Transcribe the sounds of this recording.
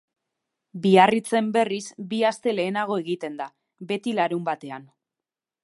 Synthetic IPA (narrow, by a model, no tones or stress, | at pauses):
biarit͡se̞mbe̞risbiast̪e̞le̞ːnaɣ̞o̞e̞ɣ̞it̪e̞nd̪a | be̞t̪ilaɾumbat̪e̞an